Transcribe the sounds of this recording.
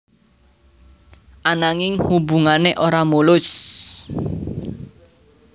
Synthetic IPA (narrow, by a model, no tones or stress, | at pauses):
ʔanaŋɪŋhubṳŋaneʔoɾamulʊs